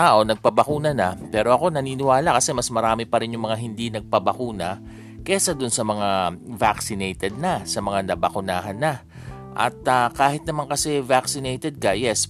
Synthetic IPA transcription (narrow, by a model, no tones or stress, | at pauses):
aʔo̞nɐɡ̚pɐbɐkuːnɐnɐpɛːɾo̞ʔɐko̞nɐniːnɪwaːlakɐsɛmɐsmɐɾaːmɪpɐɾɪnjʊŋmɐŋaɦɪnd̪inɐɡ̚pɐbɐkuːnɐ | kɛsɐd̪ʊnsɐmɐŋavaksɪnɛjt̪ɛd̪̚nɐsɐmɐŋanɐbɐkʊnaːɦɐnːɐ | ʔɐ̰t̪̚akaːhɪt̪̚nɐmaŋkɐsɛvaksɪnɛjt̪ɛd̪̚kɐjɛs